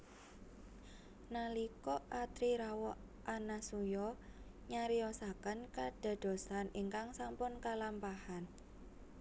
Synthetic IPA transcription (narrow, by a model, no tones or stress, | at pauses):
nalikɔʔʔat̪ɾiɾawɔʔ | ʔanasujɔ | ɲaɾiɔsakənkaɖ̥a̤d̪̥o̤saniŋkaŋsampʊnkalampahan